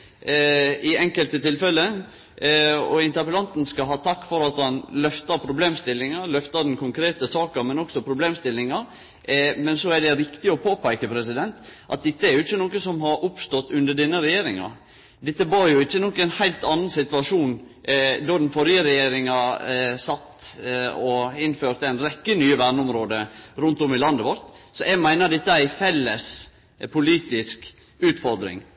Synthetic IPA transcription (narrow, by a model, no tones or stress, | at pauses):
ɪɛŋkəlt̪ət̪ʰɪlfɛlːə | ɔ̰ɪnt̪əpəlɑnt̪n̩skɑɦɑːt̪ʰɑkːfɔɾɑt̪hɑnlœft̪ɑɾpʰɾʊbleːmst̪ɪlːɪŋɑlœft̪ɑɾd̪n̩kʰʊŋkʰɾeːt̪əsɑːkɑmɛnɔksɔpʰɾʊbleːmst̪ɪlːɪŋɑɾ | mɛnsɔæɖɛɾɪkt̪ɪɔpʰoːpʰæɪkəpʰɾɛsɪd̪ɛnt̪ʔɑ̰t̪̚d̪ɛt̪ːəæɾjʊɪçːənoːkəsɔmɦɑɾʔʊpst̪ɔt̪ːʉnd̪əɖɛnːəɾɛjeːɾɪŋɑ̰ | d̪ɛt̪ːəʋɑɾjʊɪçːənɔkːənhæɪlt̪ɑnːənsɪt̪ʋɑʂuːn | d̪ɑd̪ɛnfɔɾjəɾɛjeːɾɪŋɑsɑt̪ː | ɔɪnːføːɾt̪əæɪnɾɛkːənyːəʋæɳʊmɾoːd̪əɾʉnt̪ɔmɪlɑnd̪əʋɔɾt̪sɔʔɛɡmæɪnəd̪ɛt̪ːəæɪfɛlːəs | pʰʊliːt̪ɪsk | ʉːt̪fɔɾd̪ɾɪ̰ŋ